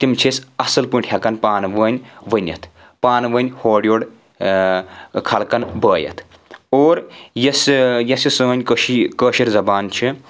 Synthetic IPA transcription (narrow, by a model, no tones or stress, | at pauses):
t̪imt͡ʃʰisɐsɐlpuɳʈʰhʲɐkɐnpaːnʋəːnʲʋənʲɐ̰t̪ʰ | paːnʋənʲhoːɖjoːɽ | kʰɐlkɐnbəːjɐ̰t̪ʰ | oːɾjɐsjɐsisəːnʲkəʃikəːʃiɾzɐbaːnt͡ʃʰi